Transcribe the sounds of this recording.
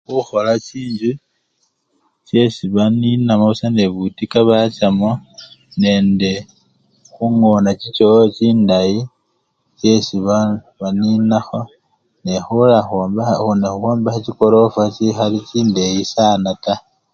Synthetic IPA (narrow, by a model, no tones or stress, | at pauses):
xuxo̞lat͡ʃiːɲd͡ʒu | t͡ʃe̞siβaninamausaneβutikaβat͡ʃamone̞ːnde | xuŋo̞nat͡ʃit͡ʃot͡ʃiːndaji | t͡ʃe̞siβa | βaninaxo | nexulaxobxonexuxoːmbaxat͡ʃikolo̞fat͡ʃixalit͡ʃiːndejisanata